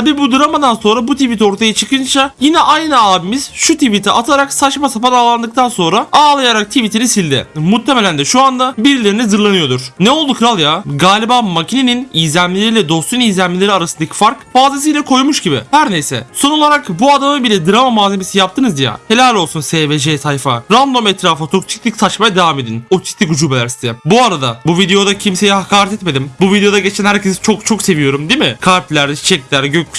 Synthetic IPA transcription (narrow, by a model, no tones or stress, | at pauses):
abiːbud̪ɯɾamad̪anso̞nɾabut̪ʰivit̪ʰo̞ɾt̪ʰajat͡ʃʰɯkɯnt͡ʃʰajinɛʔajnɯaːbimiz̥ʃut̪ʰivit̪ʰiʔat̪ʰaɾaksat͡ʃmasapad̪aːlˠand̪ɯk̚t̪ʰanso̞nɾaaːlˠajaɾak̚t̪ʰivit̪ʰiɾisilʲd̪ɪ̰mut̪ʰːeme̞lʲænd̪ɛʃuand̪abiɾilʲeɾinɛzɯɾlˠanɯjo̞d̪uɾ̥nɛo̞lˠd̪ukɾalˠjaɡaːlʲibaːmacʰineninijzlʲænlʲilʲeɾilʲɛd̪o̞st̪ujnijzlʲæmmʲilʲeɾiaɾasɯnd̪acʰi̥faɾkbaːzes̬ijlʲɛkʰo̞jmuʃɟibɪ̰hæɾnejsɛ̰so̞nolˠaɾakbuad̪amɯbilʲɛd̪ɯɾamamaːzeme̞sijap̚t̪ʰɯnɯzija̰he̞lʲalʲːolˠsunseːved͡ʒejsajfaɾand̪o̞mɛt̪ɾaːfɯt̪ʰok̚t͡ʃʰi̥st̪ʲːicsat͡ʃmajad̪evaːmed̪inot͡ʃʰi̥st̪ʲikud͡ʒuːbe̞lʲæɾsi̥zɛbuaɾad̪abuvid̪e̞jo̞d̪acʰimse̞jɛhakʰaːɾɛt̪ʰɛt̪me̞d̪imbuvid̪eo̞d̪aɟet͡ʃʰænhæɾcʰe̞zit͡ʃʰo̞k̚t͡ʃʰo̞kse̞vijo̞ɾumd̪imɪkʰaɾflʲæɾd̪ɛt͡ʃi̥t͡ʃʰɛc̪̚ʲiæɾɟøc